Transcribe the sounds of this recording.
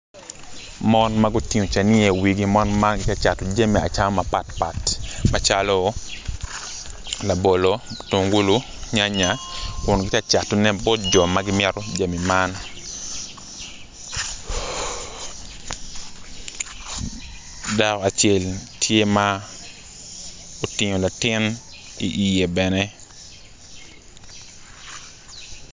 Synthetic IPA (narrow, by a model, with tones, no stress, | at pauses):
mɔ˦nma˦ɡo˦ti˦ŋo˨t͡ʃa˨nɪ˦e˨wi˨ɡi˦mɔ˦nma˦ɡɪ˦t͡ʃa˦t͡ʃa˨to˨d͡ʒa˦mi˨a̰˨t͡ʃa˦mɔ˦ma˨pa˨tpa˨tma˨t͡ʃalo˦ | la˨bo˨lo˦to˨ŋɡu˦lu˦ɲa˦ɲa˨kʊ˨nɡɪ˦t͡ʃa˦t͡ʃa˨tɔ˨nɛ˦bɔ˦t̚d͡ʒɔ˨ma˦ɡɪ˦m˦ɛ˦ɾɔ˦d͡ʒa˨mi˨ma˦n | da˨ka˨t͡ʃɛ˦˨ltʰje˦ma˦ | o˨tɪ˨ɲo˨la˨tɪ˦nḭ˨ʔi˨je˨bɛ˨nɛ˦